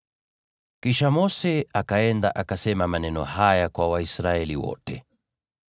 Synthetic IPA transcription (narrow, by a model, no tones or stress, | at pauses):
kiʃamɔsɛakaɛndaʔakasɛmamanɛnɔ̰hajakwawaisɾaɛliwɔ̰tɛ